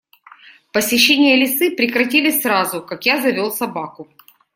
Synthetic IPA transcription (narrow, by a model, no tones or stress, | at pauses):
pəsʲɪɕːenʲɪjəlʲɪsɨpɾʲɪkɾɐtʲilʲɪsʲsɾazʊkakjazɐvʲolˠsɐbakʊ